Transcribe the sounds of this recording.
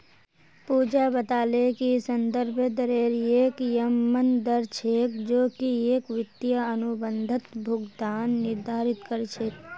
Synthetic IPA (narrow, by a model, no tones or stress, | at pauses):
puːd͡ʒabət̪aːlekisə̃nd̪əɾbʱd̪əɾeːɾeːkjəmːənd̪əɾt͡ʃʰeːkd͡ʒoːkieːkʋɪt̪jaənubə̃nd̪ʱət̪bʱʊɡd̪aːnːɪɾd̪ʱaːɾɪt̪kəɾt͡ʃʰeːk̚